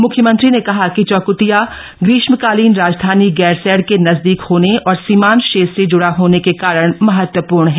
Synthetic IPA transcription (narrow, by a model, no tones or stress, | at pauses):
mʊkʰjəmɐ̃nt̪ɾinekɐɦakit͡ʃɔːkʊt̪ija | ɡɾɪːʃməkaːliːnɾaːd͡ʒd̪ʱaːniɡɛːɾsɛːɽkenɐzd̪iːkhoːneɔːɾsiːmaːnʃeːsed͡ʒʊɽaɦoːnekekaːɾəɽ̃mɐɦət̪wəpuːɾɳɦɛː